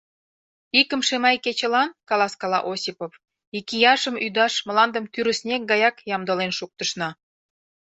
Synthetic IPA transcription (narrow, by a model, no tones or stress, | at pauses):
ikə̆mʃemɑjket͡ɕə̆lɑnkɑlɑskɑlɑ̰ʔosʲipof | ikijɑʃə̆myd̪ɑʃmə̆lɑnd̪ə̆mt̪yɾə̆snʲek̚ɡɑjɑkjɑmd̪əlenʃuk̚t̪əʃnɑ